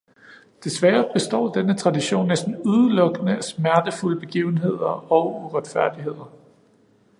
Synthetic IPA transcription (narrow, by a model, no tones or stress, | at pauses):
d̥e̝sʋæːɐb̥e̝sd̥ɒ̰ːd̥enət͡sʰʁɑ̈diɕo̝̰ːnːesd̥n̩uðˠəlɔ̽ɡ̥ənəæsmæɐd̥əfuləb̥e̝ɡ̥ḭːʊn̩ɦe̝ð̰ˠɐɒ̽ʊuʁad̥fæɐ̰d̥iɦe̝ð̞̰ˠɐ